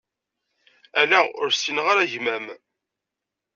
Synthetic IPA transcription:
ælæʊ̰ɾsinʁaɾæʝmæm

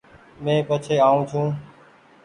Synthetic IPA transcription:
mẽːpət͡ʃʰeːaːũːt͡ʃʰũː

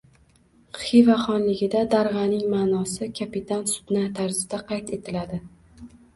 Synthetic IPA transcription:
χivaχɒnlɪɡʲɪd̪ad̪aɾʁɑnɪŋmaːnɒsɪkʲʰapɪt̪ʰansʊ̥d̪nat̪ʰaɾzɪd̪aqʰɑjt̪e̞t̪ʰɪlad̪ɪ

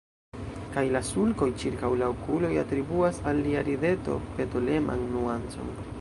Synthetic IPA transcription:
kajlasulko̞jt͡ʃiɾkawlaokulo̞jatɾibuasalːiaɾide̞to̞̰pe̞tole̞mʔa̰nːuant͡so̞̰n

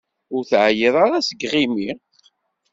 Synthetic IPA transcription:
ʊɾθʕjiðˤaɾæsəɡʁimi

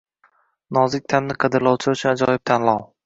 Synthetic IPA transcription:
nɒzɪk̚ʲt̪ʰamnɪqʰɨd̪ɪɾlˠɒwt͡ʃʰɪʊt͡ʃʰʊnad͡ʒɒjɪb̚t̪ʰanlˠɑw

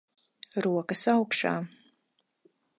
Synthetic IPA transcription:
ɾuɔkɐsawkʃa̰ː

